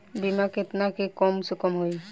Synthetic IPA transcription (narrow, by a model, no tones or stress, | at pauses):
bimakʰet̪nakekɔmsukɔmɦoj